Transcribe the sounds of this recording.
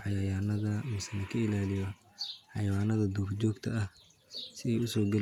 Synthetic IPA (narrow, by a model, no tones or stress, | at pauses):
ħɑjɐjaːnɐðɐmɪsɛnɐkʰɐɪlaːlɪjɔ | ħɑjɐwaːnɐðɐd̪uːrt͡ʃɔːɡt̪ʰɐɐh | sɪɛjʊsɔːɡɐl